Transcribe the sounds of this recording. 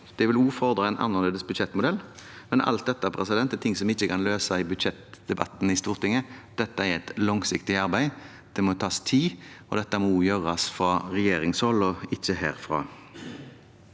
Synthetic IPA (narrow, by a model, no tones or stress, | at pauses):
d̪̥ɛʋɪluːfɔʁd̪ɾɑɛnʔɑ̰nːɑʁleːd̪əsbʉd̪ʃɛt̪ːmʊd̪ɛl | mɛnɑ̰lt̪̚d̪ɛt̪ːəæʁpʰʁɛsɪd̪ɛnt̪ɛt̪ʰɪŋsɔmɪçːəkɑnløːsɑɪbʉd̪ɕɛt̪d̪̥ɛbɑ̰t̪ːn̩ɪst̪uːʁt̪ɪŋːəd̪̥ɛt̪ːəæɾʁɛɪt̪lɔŋsɪkt̪ɪɑʁbæɪ | d̪̥ɛmɔt̪ʰɑːst̪ʰiːɔd̪ɛt̪ːəmɔuːjøːʁɑsfɾɑːʁɛjeːɾɪŋshɔlɔɪçːəhæ̰ːɾfʁɑ̰